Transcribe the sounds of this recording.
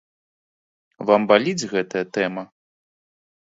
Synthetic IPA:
vambalʲid͡zʲɣɛt̪ɐjɐt̪ɛmɐ

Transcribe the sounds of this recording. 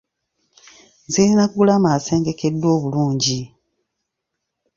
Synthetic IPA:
zilinakuɡulamase̞ːŋɡe̞ke̞dːo̞ːβuluːɲɟi

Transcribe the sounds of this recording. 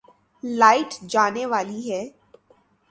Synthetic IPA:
laːɪʈd͡ʒaːneʋaːliɦɛː

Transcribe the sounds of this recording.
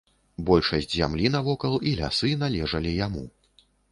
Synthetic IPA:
bɔlʲʂɐsʲd͡zʲzʲa̰mlʲinɐvɔkɐlˠilʲa̰sɨnalʲɛʐɐlʲijamu

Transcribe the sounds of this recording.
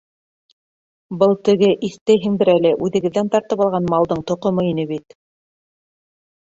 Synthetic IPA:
bɤlˠt̪ɘ̆ɡɘʔiθt̪æjɦɘŋbɘɾælɘʔʉðɘ̆ɡɘ̆ðːænt̪ɑɾt̪ɤpɑlˠʁɑnmɑlˠd̪ɤɴt̪ŏqŏmɤinɘβit̪

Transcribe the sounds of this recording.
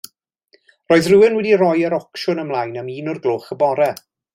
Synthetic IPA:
rɔːɨðrɪwɪnwɛdirɔjəɾɔkʃʊnəmlˠajnəmiːnɔrɡlˠoːχəbɔɾɛ

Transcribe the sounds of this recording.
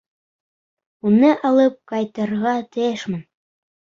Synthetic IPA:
unɤʔɑlˠɤp̚kɑjt̪ɤ̆ɾʁɑt̪ɘ̆eʃmɤn

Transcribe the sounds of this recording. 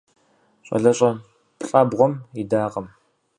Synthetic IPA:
ɕʼɐ̰ɮɐɕʼɐ | pʼɬʼɐbʁʷɔmidaːqɐm

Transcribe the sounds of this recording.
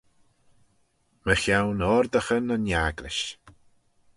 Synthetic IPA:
məxawnɔɾd̪əxənənjaɡlɪ̰ʃ

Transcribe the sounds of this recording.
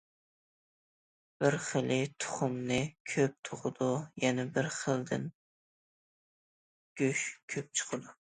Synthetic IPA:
b̥ɪɾχəlˠɪt̪ʰʊ̥χʊmnɨkʲʰøp̚t̪ʰʊʁʊd̪ujɛnɛbɪɾχəld̪ɪ̰n | ɡ̥ʲøʃkʲʰøp̚t͡ʃʰə̥qʰɨd̪u

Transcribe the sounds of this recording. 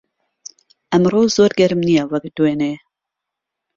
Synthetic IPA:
ʔɛmroːzoːɾɡɛɾɨmnijɛwɐkd̪weːneː

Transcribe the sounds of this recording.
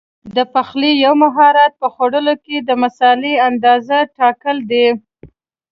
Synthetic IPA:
d̪əpaxlijawmaɦɑɾat̪̚pəxoɽəloked̪əmasɑleand̪ɑzaʈɑkəld̪e

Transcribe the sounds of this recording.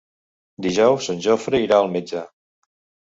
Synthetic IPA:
d̪iʒɔwsənʲʒofɾəiɾaəlˠmed͡ʒa

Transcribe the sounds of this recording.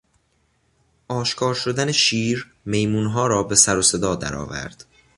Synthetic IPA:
ʔɒːʃkʰɒːɾʃod̪æneʃiːɾ | me̞jmuːnɦɒːɾɒːbe̞sæɾose̞d̪ɒːd̪æ̰ɾɒ̰ːvæ̰ɾd̪̥

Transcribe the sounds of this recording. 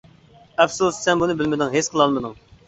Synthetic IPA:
ɛpsussɛnbunɨbɪlmɪd̪ɪŋɦet͡ʃqʰəlˠɑlˠmɨd̪ɨŋ

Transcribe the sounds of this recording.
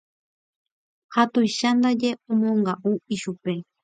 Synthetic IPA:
hat̪ʊjʃand̪aʎeʊmoɴɢɑʔuiʃupe

